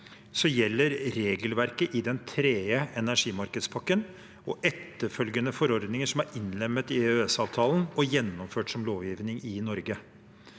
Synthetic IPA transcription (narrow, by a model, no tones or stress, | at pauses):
sɔjɛlːəɾɾeːɡəlʋæɾkəʔɪd̪ɛnt̪ʰɾeːəɛnæʂiːmɑɾkəd̪spʰɑkːən | ɔʔɛt̪ːəɾfœlɡənəfɔɾɔɾd̪nɪŋəʂɔmæɾɪnlɛmːət̪ɪøɛsɑːʋt̪ʰɑːlənɔjɛnːɔmføːʈsɔmloːʋjɪːʋnɪŋɪnɔɾɡə